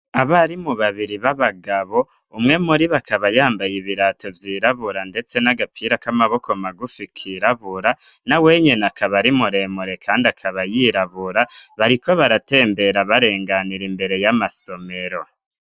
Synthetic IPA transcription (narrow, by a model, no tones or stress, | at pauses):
aβaɾimuβaβiɾiβaβaɡaβo̞ | umŋe̞muɾiβakaβajaːmbajiβiɾato̞vjiːɾaβuɾande̞t͡se̞naɡapʰiɾakamaβo̞ko̞maɡufikʰiɾaβuɾanawe̞ːɲe̞nakʰaβaɾimuɾe̞muɾe̞kʰaːndiakʰaβajiɾaβuɾaβaɾiko̞βaɾate̞ːmbe̞ɾaβaɾe̞ːŋɡaniɾimbe̞ɾe̞jamaso̞me̞ɾo̞